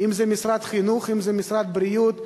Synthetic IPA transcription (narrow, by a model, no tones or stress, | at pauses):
imzɛmisɾat̪χinuχimzɛmisɾad̪̚bɾijut̪